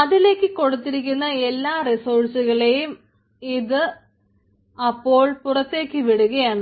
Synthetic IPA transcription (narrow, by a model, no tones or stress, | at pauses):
ɐðile̞ːkːɨko̞ɽut̪ːiɾik̬ʲːunːɐe̞lːaːrisoːrsuɣɐɭe̞jum | iðɨ | ɐpːo̞ːɭpurɐt̪ːe̞ːkːɨʋiɽuɣɐjaːɳɨ